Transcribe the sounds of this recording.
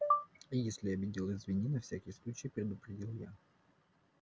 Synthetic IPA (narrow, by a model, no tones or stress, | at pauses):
ijesʲlʲɪɐbʲɪdʲilˠɪzvʲɪnʲinɐfsʲækʲɪjəslˠut͡ɕɪjpɾʲɪd̪ʊpɾʲɪdʲilˠja̰